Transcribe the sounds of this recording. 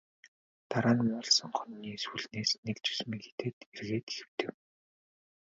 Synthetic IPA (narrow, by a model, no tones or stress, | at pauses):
t̪aɾaːnmʊːɮsə̆ŋχœnʲːiːsuɮneːsnekt͡ɕʰɵ̥smiːke̥t̪ʰeːt̪erɣeːt̪e̥xɘ̥̆w̥t̪ɘ̆w